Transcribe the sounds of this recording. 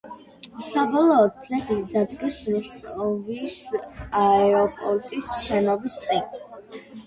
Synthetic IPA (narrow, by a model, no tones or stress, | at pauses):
sabɔlˠɔːt̪sɛχid̪ad̪ɡɛsɾɛst̪ʼɔvisaɛɔpʼɔlt̪ʼisʃɛnɔbist̪sʼɛ